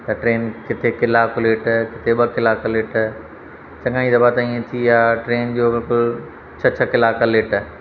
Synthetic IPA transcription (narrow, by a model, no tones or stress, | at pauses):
t̪ɐʈɾeːnkɪt̪ʰekɪlaːkleːʈkɪt̪ʰeɓɐkɪlaːkleːʈ | t͡ɕɐ̃ŋɡaːĩd̪ɐbat̪ɐĩːẽt̪ʰiaːʈɾeːnd͡ʑoːbɪlkʊl | t͡ɕʰɐt͡ɕʰəkɪlaːkaleːʈ